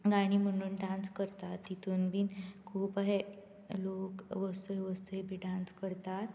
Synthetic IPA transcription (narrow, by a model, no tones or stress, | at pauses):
ɡaɽ̃iːm̤əɽ̃uːnɖãnskəɾt̪at̪ːit̪ʰunbiːnkʰuːpaɦe | lokʋəst̪əeʋəst̪əebiɖãnskəɾt̪at̪